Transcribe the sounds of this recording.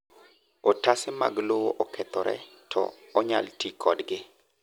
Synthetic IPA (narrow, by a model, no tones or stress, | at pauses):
ɔtasɪma̰ɡlowoʔɔkʰɛt̪ɔɾɛ̰ | tʰɔ̰ | ɔɲaltikʰɔdɡɪ